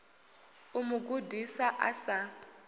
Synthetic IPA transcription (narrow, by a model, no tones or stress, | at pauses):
umʊɡudisaʔa̰sa